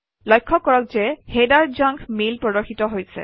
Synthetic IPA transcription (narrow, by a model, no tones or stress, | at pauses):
lɔjkʰːɔkːɔɹɔk̚zɛhedaɹd͡ʒaŋkʰmilpɹɔdɔɹxitɔɦojsɛ̰